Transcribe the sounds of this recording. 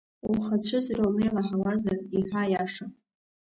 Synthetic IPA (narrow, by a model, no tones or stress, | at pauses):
uχat͡ɕʷʰʊzɾowmejlaħawazariħajaʂa